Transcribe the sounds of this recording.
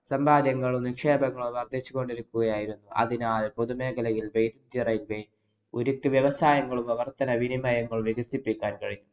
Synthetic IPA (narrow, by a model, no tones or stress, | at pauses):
sɐmbʱaːd̪jɐŋːɐɭumnikʂe̞ːbɐŋːɐɭuʋɐrd̪ʱit͡ɕːuko̞ɳɖiɾukːuɣɐjaːjiɾunːuʔɐ̰ðinaːlpoðume̞ːkɐlɐjilʋejd̪ud̪jirɐjlʋe | oɾukʲːɨʋjɐʋɐsaːjɐŋːɐɭumɐʋɐrt̪ːɐnɐʋinimɐjɐŋːɐɭʋiɡɐsipːikʲːaːnkɐɻiɲːu